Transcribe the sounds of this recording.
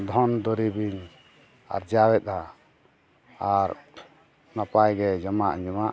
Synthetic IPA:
d̪ʱɔnd̪ɔɾibiɲ | a̰ɾd͡ʒawɛt̪̚a | aɾ | napajɡɛd͡ʒɔmaʔɲd͡ʒɔmaʔ

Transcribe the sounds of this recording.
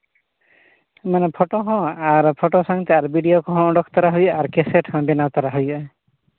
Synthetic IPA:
semanepʰoʈoɦɔ̃aɾpʰoʈosaŋt̪eaɾbiɖiokɔɦɔ̃ɔ̃ɖɔkʰt̪ɔɾaɦujaɾkeseʈhɔ̃binat̪ɔɾaɦuj

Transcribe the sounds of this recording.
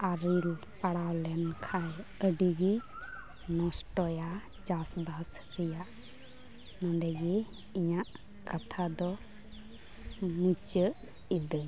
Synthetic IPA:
aɾil | paɽawlɛnkʰajəɖiɡi | nɔsʈɔja | d͡ʒasdas | ɾijaʔ | nɔɳɖɛɡi | iɲaʔ | kat̪ʰad̪ɔ | mit͡ʃəʔ | id̪ə

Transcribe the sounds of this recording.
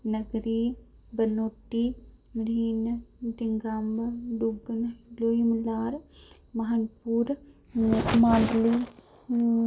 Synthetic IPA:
nɐɡɾiː | bɐnoːʈːimɾiːndiŋɡambɐɖuɡənloːjimlaːɾ | mɐɦanpuːɾ | maːɳɖliː

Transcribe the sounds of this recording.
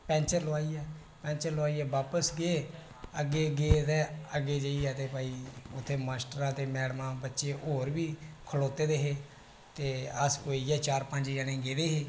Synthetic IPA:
pɛ̃ːnt͡ʃəɾlʊaːiːɛː | pɛ̃ːnt͡ʃəɾloaːiːɛːbaːpəsɡeː | əɡeːɡeːt̪ɛːəɡeːd͡ʒəːiːɛːt̪eːpaːiːʊt̪ʰːeːmaːsʈəɾãːt̪eːmɛːɽmãːbətːʃeːoːɾbiːkʰəloːt̪eːd̪eːɦeː | t̪eːəskoːiːɛːt͡ʃaːɾpə̃nd͡ʒid͡ʒaːnẽːɡeːd̪eːɦeː

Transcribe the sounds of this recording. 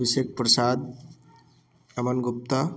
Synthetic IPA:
bisek̚pɾɐsaːd̪̚ | ɐmɐnɡup̚t̪ɐ

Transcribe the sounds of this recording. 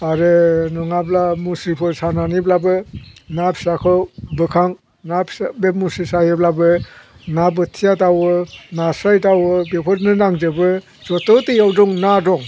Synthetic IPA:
aɾɯnɔŋablamusipʰɯɾsananiblabɯnapʰsakʰɯwbɯkʰaŋ | nasbemusisajɯblabɯnabɯtʰijatawɯnasajtawɯbepʰɔɾnɯnaŋdɯbɯ | zɔtɯtɯjawdɔŋnadɔŋ

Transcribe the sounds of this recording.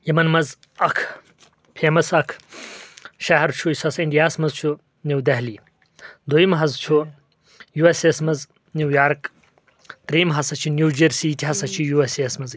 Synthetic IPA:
jɐmɐnmɐz | ɐkʰ | pʰeːmɐsɐkʰ | ʃaɦɐɾt͡ʃʰuisɐsiɳɖijaːsmɐzt͡ʃʰu | niwd̪ɐɦli | d̪ojimɦɐzt͡ʃʰu | juesesmɐz | nʲiwjaːɾk | t̪ɾiːmɦɐsɐt͡ʃʰinjuːd͡ʒɐɾsiːtʰiɦɐsɐt͡ʃʰijueseːsmɐz

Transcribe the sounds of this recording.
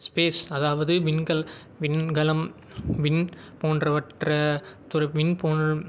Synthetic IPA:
speːsɐðaːʋɐðɯʋɪnɡɐl | ʋɪnɡɐlɐm | ʋɪn | poːnrɐʋɐʈrɐt̪ʊɾɐʋɪnpoːnɐɭ

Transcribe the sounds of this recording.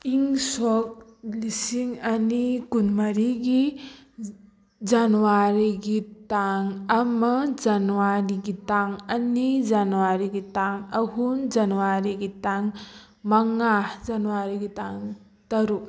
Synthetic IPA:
iŋsɔk̚lisiŋanikunmaɾiɡi | d͡ʒanuwaɾiɡitaŋamɐd͡ʒanuwaɾiɡitaŋɐnid͡ʒanuwaɾiɡitaŋaɦund͡ʒanuwaɾiɡitaŋ | maŋazanuwaɾiɡitaŋ | tɐɾu

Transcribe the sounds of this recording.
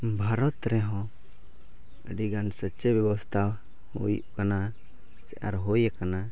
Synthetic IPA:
bʱaɾɔt̪ɾɛɦɔ̃ | əɖiɡansətːt͡ʃɛbjɛbɔst̪ʰa | hṵjṵʔkana | sɛʔa̰ɾɦɔjakana

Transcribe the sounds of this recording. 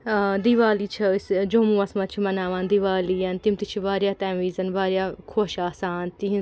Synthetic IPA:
d̪iʋaːliːt͡ʃʰɐsd͡ʒoːmũːɐsmɐt̪t͡ʃʰimɐnaːʋaːnd̪iʋaːliːɐnt̪imt̪it͡ʃʰiʋaːɾjaːt̪ɛːʋiːzɐnbaːɾjaːkʰoːʃaːsaːnt̪iɦ

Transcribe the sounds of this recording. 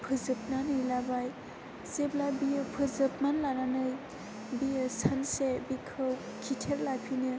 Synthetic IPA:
pʰɯzɯp̚nanɯjlabaj | seblabijɯpʰɯzɯp̚manlananɯj | bijɯsansebikʰɯw | kʰitʰeɾlapʰinɯ

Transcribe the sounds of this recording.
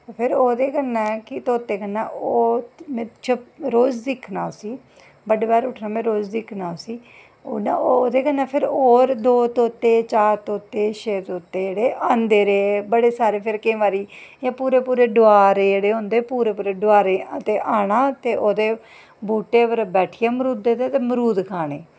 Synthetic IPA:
pʰɪɾoːd̪eːkənːaːkɪt̪oːt̪ːeːkənːaːoːmɛ̃ːt͡ʃʰəɾoːzd̪ɪkʰnaːsiː | bəɖeːbaːɾʊʈʰnãːmɛ̃ːɾoːzd̪ɪkʰnaːsiː | ona̰ooːd̪eːkənːaːpʰɪɾoːɾd̪oːt̪oːt̪eːt͡ʃaːɾt̪oːt̪eːʃeːt̪oːt̪ːeːeːɽeːʔãːnd̪eːɾeːbəɽeːsaːɾeːpʰɪɾkẽːʋaːɾiːjãːpuːɾeːpuːɾeːɖoaːɾeːd͡ʒeːɽeːɦõːnd̪eːpuːɾeːpuːɾeːɖʊaːɾeːət̪eːʔaːɳaːt̪eːʔoːd̪eː | buːʈeːʋəɾbɛːʈʰijaːməɾuːd̪eːt̪eːt̪eːməɾuːd̪kʰaːneː

